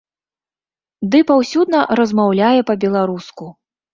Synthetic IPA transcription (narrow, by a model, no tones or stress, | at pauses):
d̪ɨpawsʲud̪nɐɾɐzmawlʲajɛpɐbʲɛlˠaɾusku